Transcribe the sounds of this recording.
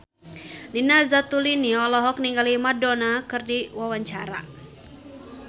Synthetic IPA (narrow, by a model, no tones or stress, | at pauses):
linazat̪uliniɔlɔɦɔk̚niŋɡalimadɔnakɨrdiwawaɲt͡ʃaɾa̰